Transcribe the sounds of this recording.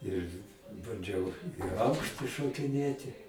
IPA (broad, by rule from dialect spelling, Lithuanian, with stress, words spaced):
ɪr bɐnʲˈd͡ʒʲɛʊ ɪ ˈɐʊkʃʲtʲɪ ʃoːkʲɪˈnʲeːtʲɪ